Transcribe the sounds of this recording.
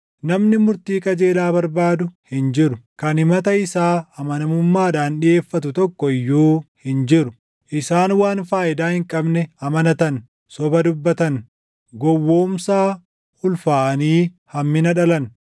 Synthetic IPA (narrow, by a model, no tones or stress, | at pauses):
nɐmnɪmʊɾt̪iːkʼɐd͡ʒe̞ːlaːbɐɾbaːd̪ʊhɪnd͡ʒɪɾʊkɐnɪmɐt̪ɐɪsaːɐmɐnɐmʊmːaːᶑaːnɗɪʔe̞ːfːɐt̪ʊt̪ɔkːɔɪjːuːhɪnd͡ʒɪɾʊ | ʔɪsaːnwaːnfaːʔɪd̪aːhɪŋkʼɐbnɛɐmɐnɐt̪ɐn | sɔbɐd̪ʊbːɐt̪ɐn | ɡɔwːo̞ːmsaː | ʊlfaːʔɐniː | hɐmːɪnɐᶑɐlɐn